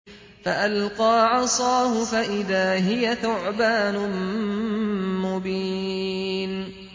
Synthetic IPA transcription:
faʔalqɑːʕɑsˤɑːɦʊfaʔɪðaːɦɪjaθʊʕbaːnʊm | mʊbiː | n

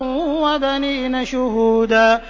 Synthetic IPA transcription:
wad̪aninaʃʊɦuːd̪a

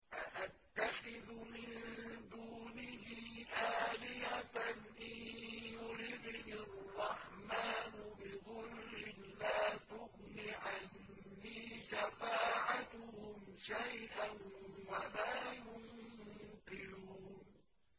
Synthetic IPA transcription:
ʔaʔat̪ːaxɪðmɪnd̪uːnɪhiːʔaːlɪhat̪nʔɪjjʊɾid̪nɪrˤːɑħmaːnbɪðˤʊlːɪlaːt̪ʊhniʕanː | iːʃafaːʕat̪ʊhʊmʃajʔanwalaːjʊŋkɪɾuːn

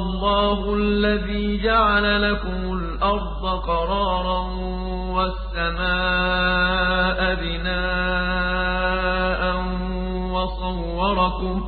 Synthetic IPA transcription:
lˤːɑːɦʊʔalːaðiːd͡ʒaʕalalakʊmʊlʔɑɾˤd̪ˤɑqɑɾˤɑːɾˤɑn | wasːamaː | ʔabɪnaː | ʔan | wɑsˤɑwːɑɾˤɑkʊm

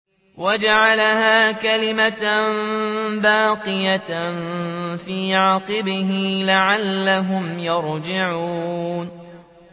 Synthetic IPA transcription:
wad͡ʒaʕalahaːkalɪmat̪mbaːqɨjanfiːʕaːqɨbɪɦɪlaʕalːaɦʊmjɑɾd͡ʒɪʕuːn

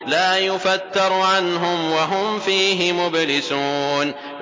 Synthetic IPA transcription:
laːjʊfat̪ːɑɾˤʕanɦʊmwaɦʊmfiːɦɪmʊblɪsuːn

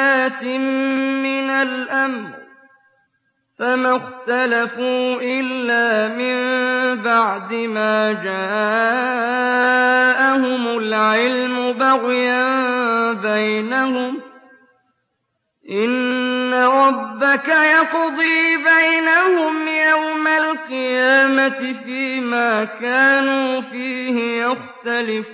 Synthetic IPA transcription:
aːt̪ɪmmɪnalʔamɾ | famaxt̪alafuːʔɪlːaːmɪmbaʕd̪ɪmaːd͡ʒaː | ʔahʊmʊlʕɪlmʊbaɣjambajnahʊm | ʔɪnːaɾˤɑbːakajɑqd̪ˤiːbajnahʊmjawmalqɨjaːmat̪ɪfiːmaːkaːnuːfiːhɪjaxt̪alɪf

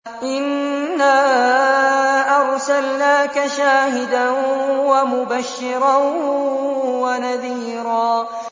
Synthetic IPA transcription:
ʔɪnːaː | ʔɑɾˤsalnaːkaʃaːhɪd̪anwamʊbaʃːɪɾɑ | wanaðiːɾɑː

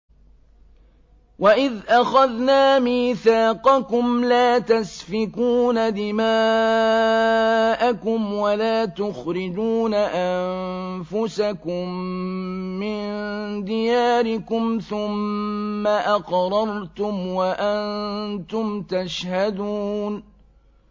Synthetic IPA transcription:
waʔɪðʔaxaðnaːmiːθaːqɑkʊmlaːt̪asfɪkuːnad̪ɪmaː | ʔakʊmwalaːt̪ʊxɾɪd͡ʒuːnaʔamfʊsakʊmː | ɪnd̪ɪjaːɾɪkʊmθʊmː | aʔɑqɾˤɑɾt̪ʊmwaʔant̪ʊmt̪aʃhad̪uːn

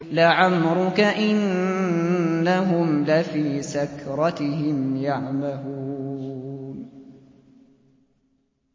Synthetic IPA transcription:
laʕamɾʊkaʔɪn | aɦʊmlafiːsakɾˤɑt̪ɪhɪmjaʕmaluː | n

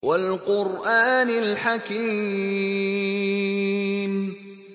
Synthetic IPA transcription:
walqʊɾʔaːnɪlħaki | m

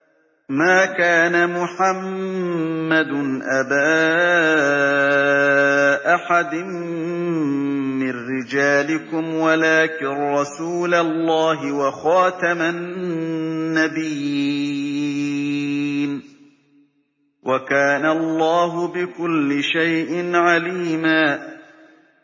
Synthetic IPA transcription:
maːkaːnamʊħamː | ad̪nʔabaː | ʔaħad̪ɪn | mɪnɾɪd͡ʒaːlɪkʊmwalaːkɪnɾˤɑsuːlalːaːɦɪwaxɑːt̪amanː | abijː | n | wʔakaːnaɑlˤːɑːɦʊbɪkʊlːɪʃajʔɪnʕaliːmaː

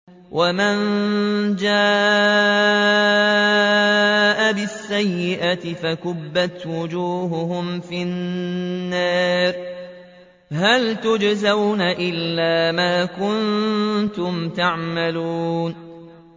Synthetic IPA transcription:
wʔaman | d͡ʒaː | ʔabɪsːajːɪʔat̪ɪfakʊbːat̪wʊd͡ʒuːɦʊhʊmfinː | aːɾ | ɦalt̪ʊd͡ʒzawnaʔɪlːaːmaːkʊnt̪ʊmt̪aʕmaluːn

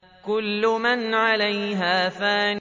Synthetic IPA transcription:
kʊlːʊmanʕalajɦaːθaːn

